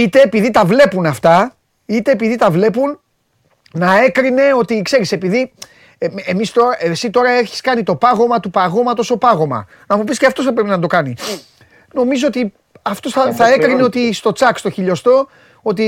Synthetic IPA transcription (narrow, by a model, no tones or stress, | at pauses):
it̪e̞ːpiðit̪ɐvle̞punɐft̪ɐ | it̪e̞ːpiðit̪ɐvle̞punː | ɐe̞kɾine̞o̞t̪ikse̞ɾise̞piði | emist̪o̞ɾɐesit̪o̞ɾɐe̞çi̥skɐnit̪o̞pɐɣo̞mɐt̪upɐɣo̞mɐt̪o̞so̞pɐɣo̞mɐ̰ | nɐmupisceɐft̪o̞sθɐpɾe̞pinɐnd̪o̞kɐni | no̞mizo̞o̞t̪i | ɐft̪o̞sθɐθɐe̞kɾineo̞t̪ist̪o̞t͡sɐkst̪oçiʎo̞st̪o̞ | o̞t̪̬i